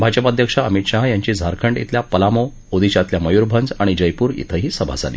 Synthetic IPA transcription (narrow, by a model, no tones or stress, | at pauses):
bʱad͡ʑəpad̪ʱjəkʂaəmit̪ɕaɦjaɲt͡ɕiːd͡zʱaɾkʰəɳɖḭt̪ʰljapəlamo | od̪iɕat̪ljaməjuːɾbʱənd͡zaɽ̃id͡ʑəjpuːɾḭt̪ʰəɦiːsəbʱa̰d͡zʱa̰lḭː